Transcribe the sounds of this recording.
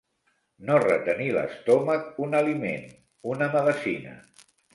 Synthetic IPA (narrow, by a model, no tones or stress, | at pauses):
norət̪ənilə̰st̪ɔmək̚unəlimḛn | unəməðəsinə̰